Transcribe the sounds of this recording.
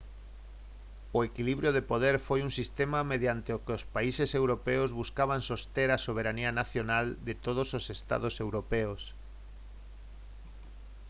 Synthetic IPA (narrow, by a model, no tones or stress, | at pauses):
oekiliβɾjoðepoð̞eɾfojuŋsist̪emameðjant̪eokeospaisesewɾopeozβuskaβ̞ansost̪eɾasoβ̞eɾanianaθjonald̪et̪oð̞ososest̪a̰ðosewɾopeos